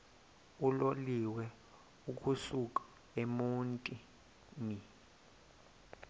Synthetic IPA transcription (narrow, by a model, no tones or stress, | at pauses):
uloliwɛ | uk̬ʼusuk̬ʼḁ | emuntʼi | ni